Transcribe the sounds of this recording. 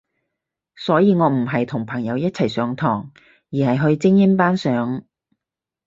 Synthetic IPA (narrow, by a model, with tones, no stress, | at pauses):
sɔː˨˥jiː˨˧ŋɔː˨˧m̩˨˩ɦɐ˨jt̪ʰʊ˨˩ŋpʰɐ˨˩ŋjɐ˨˧wjɐ˥t̚t͡sʰɐ˨˩jsœː˨˥ŋt̪ʰɔː˨˩ŋ | jiː˨˩hɐ˨jɦɵ˧ɥt͡sɪ˥ŋjɪ˥mpaː˥nsœː˨˥ŋ